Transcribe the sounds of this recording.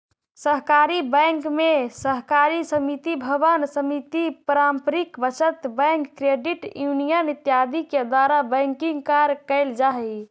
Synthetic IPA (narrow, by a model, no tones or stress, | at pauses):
səɦkaɾibəŋkmesəɦkaɾisəmit̪ibʱəʋənsəmit̪ipɾampɾikbət͡ʃət̪bɛ̃ŋkːɾeɖiʈjunijənit̪jad̪ʱiked̪waɾabə̃ŋkiŋɡkaɾkəɪld͡ʒaɦɛ